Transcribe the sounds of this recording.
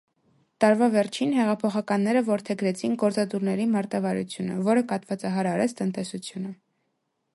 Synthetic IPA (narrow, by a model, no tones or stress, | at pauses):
t̪ɑɾvɑvɛɾt͡ʃʰinɦɛʁɑpʰɔχɑkɑnːɛɾəvɔɾt̪ʰɛɡɾɛt͡sʰinɡɔɾt͡sɑt̪uɾnɛɾimɑɾt̪ɑvɑɾṵt͡sʰjunə̰vɔɾəkɑt̪vɑt͡sɑɦɑɾɑɾɛt͡sʰt̪ənt̪ɛsut͡sʰjunə